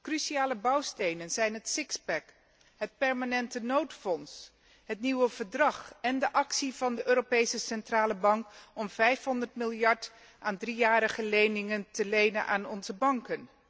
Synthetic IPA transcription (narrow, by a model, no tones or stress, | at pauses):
krysiaːləbɑwstejnənzɛjnɦətsɪkspɛk | ɦət̚pɛɹmaːnɛntənowtfɔns | ɦətniwəv̥əɹdrɑχɛndəʔɑksivɑndəʔøːɾopejsəsɛntraːləbɑŋkɔmv̥ɛjfɦɔndəɹtmɪlˠjɑɹt | ʔaːndrijaːɾəχəlejnɪŋəntəlejnənʔa̰ːnɔnzəbɑŋkən